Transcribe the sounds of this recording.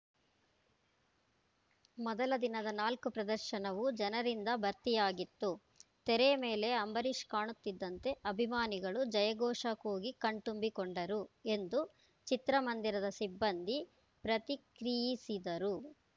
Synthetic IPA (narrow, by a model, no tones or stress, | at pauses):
mɔd̪ɐlɐd̪inɐd̪ɐnaːlkupɾɐd̪ɐɾʃɐnɐʋud͡ʒɐnɐɾind̪ɐbɐɾt̪ijaːɡit̪ːu | t̪ɛɾeme̞ːle̞ɐmbɐɾiʃkaːɳut̪ːid̪ːɐnt̪e̞ʔɐbʱimaːniɡɐɭud͡ʒɐjɐɡɔːʂɐkoːɡikɐɳʈumbikoɳɖɐɾue̞nd̪u | t͡ʃit̪ɾɐmɐnd̪iɾɐd̪ɐsibːɐnd̪ʱi | pɾɐt̪ikɾijisid̪ɐɾu